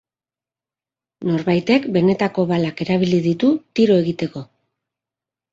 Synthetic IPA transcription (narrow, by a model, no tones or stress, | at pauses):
no̞ɾβajt̪e̞kbe̞ne̞t̪ako̞βalake̞ɾaβ̞iliðit̪ut̪iɾo̞e̞ɣit̪e̞ko̞